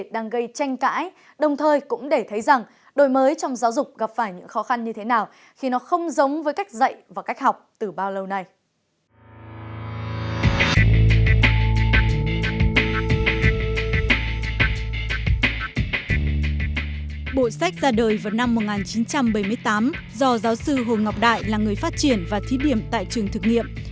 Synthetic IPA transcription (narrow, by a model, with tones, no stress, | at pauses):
ɗaː˧ŋɣə˧jt͡ɕa˧jŋ̟ka̰ː˧˥j | ɗə˨˩wŋ͡mt̪ʰəː˨˩jkʊ̰˧˥ŋ͡mɗe˧˩t̪ʰə˨˦jza˨˩ŋ | ɗo˨˩jməː˨˦jt͡ɕɔ˧wŋ͡mzaː˨˦wzʊ˨˩k͡p̚ɣa˨˩p̚faː˧˩jɲɨ̰˧˥ŋxɔ˨˦xa˧nɲɨ˧t̪ʰe˨˦naː˨˩w | xi˧nɔ˨˦xə˧wŋ͡mzə˨˦wŋ͡mvəː˨˦jka˦˥jk̟̚zə̰˧˨jvaː˨˩ka˦˥k̟̚hɦɔ˨˩wk͡p̚t̪ɨ˨˩ɓaː˧wlə˧wna˧j | ɓo̰˧˨sa˦˥jk̟̚zaː˧ɗəː˨˩jvaː˨˩wna˧mːo˨˩t̚ŋaː˨˩nt͡ɕi˨˦nt͡ɕa˧mɓə˧˩jmɨ˧əjt̪aː˨˦m | zɔ˧zaː˨˦wsɨ˧ɦo˨˩jŋa˨˩wk͡p̚ɗa̰ː˧˨jlaː˨˩ŋɨ˨˩əjfaː˦˥t̚t͡ɕi˧˩ənvaː˨˩t̪ʰi˨˦ɗi˧˩əmt̪a̰ː˧˨jt͡ɕɨ˨˩əŋt̪ʰɨ˨˩k̚ŋḭ˧˨əm